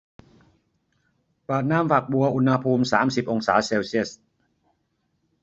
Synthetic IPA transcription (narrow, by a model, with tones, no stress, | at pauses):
paː˨˩t̪̚naː˥˩mfa˨˩k̚bu˧ɐʔu˧nha˧pʰuː˧msaː˩˦msi˨˩p̚ʔo˧ŋsaː˩˦seː˧wsi˥˩əs